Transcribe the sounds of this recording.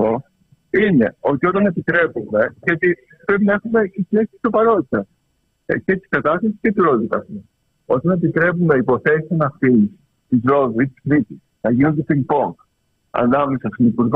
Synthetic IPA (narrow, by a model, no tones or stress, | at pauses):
o | ine̞o̞t̪io̞t̪ɐne̞pit̪ɾe̞pume̞ʝɐt̪i | pɾepinɐexume̞tisleksi̥st̪opɐɾo̞t̪it̪ɐs | cet̪i̥spet̪ɐst̪ɐsi̥scet̪iɾo̞ðit̪ɐst̪i | o̞t̪ɐne̞pit̪ɾe̞pumenɐipo̞θe̞sinɐft̪in | t̪izɾo̞ðuit̪i̥skɾit̪isnɐʝinond̪est̪ilipo̞n | ɐ̰nɐmesɐst̪inipuɾɣ